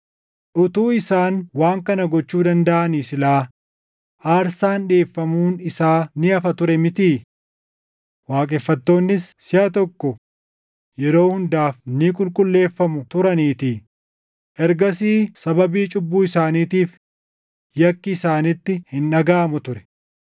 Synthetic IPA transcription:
ʔʊt̪uːɪsaːnwaːŋkɐnɐɡɔt͡ʃːuːd̪ɐnd̪ɐʔɐniːsɪlaː | ʔaːɾsaːnᶑeːfːɐmuːnɪsaːnɪɐfɐt̪ʊɾɛmɪt̪iː | waːkʼɛfːɐt̪ːo̞ːnːɪssɪɐt̪ɔkːɔ | jɛɾo̞ːhʊnd̪aːfnikʼʊlkʼʊlːe̞ːfːɐmʊt̪ʊɾɐniːt̪i | ʔɛɾɡɐs̬iːsɐbɐbiːt͡ʃʼʊbːuːɪsaːniːt̪iːf | jɐkːɪːsaːnɪt̪ːɪhɪnᶑɐɡaːmʊt̪ʊɾɛ̥

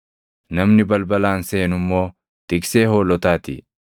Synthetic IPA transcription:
nɐmnɪbɐlbɐlaːnseːnʊmːo̞ː | t̪ɪkse̞ːho̞ːlɔt̪aːt̪ɪ̰

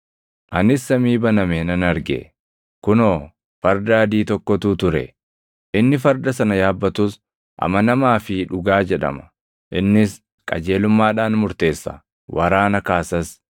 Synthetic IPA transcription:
ʔɐnɪsːɐmiːbɐnɐmɛnɐnɐɾɡɛ̰ | kʊnoː | fɐɾd̪ɐɐd̪iːt̪ɔkːɔt̪uːt̪ʊɾɛ̰ | ʔɪnːɪfɐɾd̪ɐsɐnɐjaːbːɐt̪ʊs | ʔɐ̰mɐnɐmaːfɪᶑʊɡaːd͡ʒɛᶑɐ̰mɐ̥ | ʔɪnːɪs | kʼɐ̰d͡ʒe̞ːlʊmːaːᶑaːnmʊɾt̪e̞ːsːɐ̰ | wʔɐɾaːnɐkaːsɐs

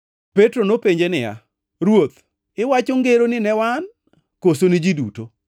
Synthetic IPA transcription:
petɾonopeɲd͡ʒenɪja̰ | ɾwot̪ | ɪwat͡ʃoŋɡeɾonɪnɛwan | kosonɪd͡ʒiduto

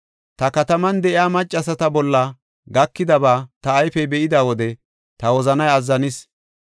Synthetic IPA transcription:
t̪ɐkɐt̪ɐmɐnd̪ɛʔɪjaːmɐt͡ʃʼːɐsɐt̪ɐbɔlːɐ | ɡɐkːɪd̪ɐbaːt̪ɐːjfɛjbɛʔɪd̪aːwɔd̪ɛ | t̪ɐwɔzɐnɐjɐzːɐnɪs

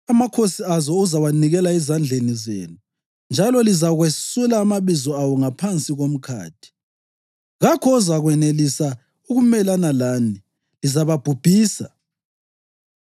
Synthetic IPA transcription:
amakʰosiazɔuzawaniɣɛlaizand͡ɮʱenizḛːnu | nd͡ʒʱalɔlizaɣwesulaːmaβizɔawɔŋapʰant͡sʼiɣom̩kʰa̰ːtʰi̥ | ɣakʰɔːzaɣwɛnelisa | uɣumɛlanalani | lizaβab̥ʱub̥ʱiːsa

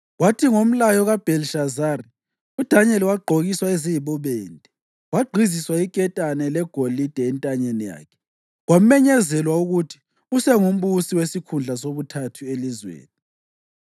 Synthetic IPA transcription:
watʰiŋom̩lajɔɣab̥ʱɛlʃazaːri | ud̥ʱaɲɛliwaɡ͡ǃʱoɣiswaeziβɔβɛːntʼɛ | waɡ͡ǃʱiziswaikʼɛtʼanɛlɛɡ̥ʱolid̥ʱɛːntʼaɲenija̰ːkʰɛ̥ | ɣwamɛɲɛzɛlwauɣutʰi̥ | usɛŋum̩βusiwesikʰund͡ɮʱasoβutʰatʰuelizwḛːni

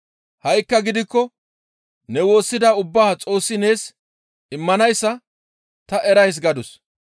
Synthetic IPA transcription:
hɐjkːɐɡɪd̪ɪkːɔ | nɛwo̞ːsːɪd̪aʊbːaːt͡sʼo̞ːsːɪne̞ːs | ɪmːɐnɐjsːɐ | t̪ɐʔɛɾɐjs̬ɡɐd̪ʊs

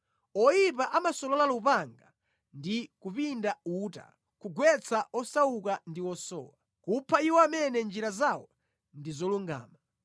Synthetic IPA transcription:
ɔjip̬aʔamasɔlɔlalupaŋɡa | ndikupindauːta̰ | kuɡwɛt͡sʰaʔɔsaukandiwɔsɔ̰ːwa | kupʰaiwɔamɛnɛnd͡ʒiɾazawɔ | ndizɔluŋɡa̰ːma

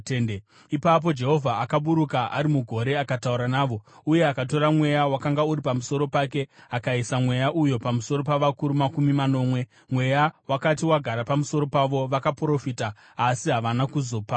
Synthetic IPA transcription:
en | ipap̬o̞d͡ʒe̞ɦo̞vʱaakaɓuɾukaʔaɾimuɡʱo̞ɾe̞akatauɾanaːʋo̞uje̞akato̞ɾamwe̞jawakaŋɡauɾipamuso̞ɾo̞pake̞akaisamwe̞jaʔujo̞pamuso̞ɾo̞paʋakuɾumakumimano̞ːmwe̞ | mwe̞jawakatiwaɡʱaɾapamuso̞ɾo̞paʋo̞ʋakapro̞fitaː | siɦaʋanakuzo̞ːpa

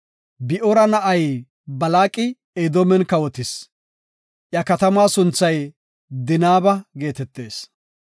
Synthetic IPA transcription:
bɪʔɔɾɐnɐʔɐj | bɐlaːkʼɪ | ed̪ɔmɛnkɐwɔt̪ɪs | ʔjɐkɐt̪ɐmaːsʊnt͡sːɐj | d̪ɪnaːbɐɡe̞ːt̪ɛt̪ːe̞ːs

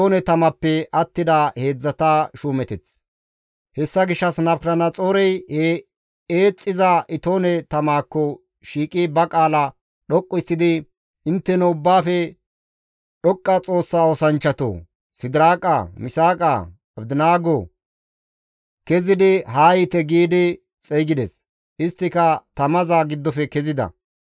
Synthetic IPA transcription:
oːnɛt̪ɐmɐpːɛʔɐt̪ːɪd̪ahe̞ːd͡zːɐt̪aʃuːmɛt̪ɛt͡s | hɛsːɐɡɪʃːɐsnɐbkɾɐnɐt͡sʼoːɾɛjh | eːt͡sʼːɪzɐʔɪt̪oːnɛt̪ɐmaːkːɔ | ʃiːkʼibɐkʼaːlɐ | ɗɔkʼːɔɪsːɪd̪ɪ | ʔɪnt̪ːɛnɔʊbːaːfɛ | ɗɔkʼːɐt͡sʼo̞ːsːaːosɐnt͡ʃːɐt̪o̰ː | sɪd̪ɾaːkʼɐmɪsaːkʼɐ̰ | ɐbd̪ɪnaːɡo | kɛzɪd̪ɪɦaːjɪt̪ɛɡiːd̪ɪ | t͡sʼɛjɡɪd̪ɛs | ʔɪst̪ːɪkɐt̪ɐmɐzaɡɪd̪ːɔfɛkɛzɪd̪ɐ̰

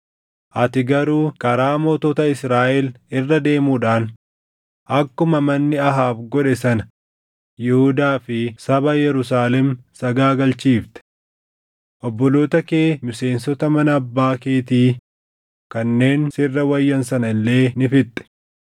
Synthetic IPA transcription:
ʔɐt̪ɪɡɐɾuːkɐɾaːmoːt̪oːt̪ɐɪsɾaːʔɛlɪrːɐd̪e̞ːmuːᶑaːn | ʔɐkːʊmɐmɐnːɪɐɦaːbɡɔᶑɛsɐnɐ | jɛhʊd̪aːfɪsɐbɐjɛɾʊs̬aːlɛmsɐɡaːɡɐlt͡ʃiːft̪ɛ̥ | ʔɔbːɔlo̞ːt̪ɐkeːmɪse̞ːnsɔt̪ɐmɐnɐːbːaːkeːt̪iː | kɐnːe̞ːnsɪrːɐwɐjːɐnsɐnɐɪlːe̞ːnɪfɪt̪ʼːɛ̥

